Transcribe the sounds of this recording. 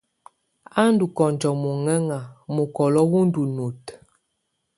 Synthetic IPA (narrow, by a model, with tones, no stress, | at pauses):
a˦n˦du˨kɔ˨nd͡ʒɔ˨mu˨ŋɛ˦ŋa˨mu˨kɔ˨lɔ˦wu˦n˦du˨nu˨t